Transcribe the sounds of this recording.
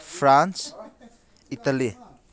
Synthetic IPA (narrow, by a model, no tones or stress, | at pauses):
fʰɾans | itali